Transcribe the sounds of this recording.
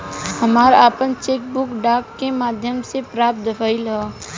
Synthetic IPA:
hɐmaːɾaːpənt͡ʃeːk̚bʊkɖaːkːemaːd̪ʱjəmsepɾaːp̚t̪̚d̪əfʰaːɪlɦɛː

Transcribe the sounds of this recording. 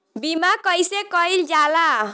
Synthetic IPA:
bimakʌjsekʌjld͡ʒala

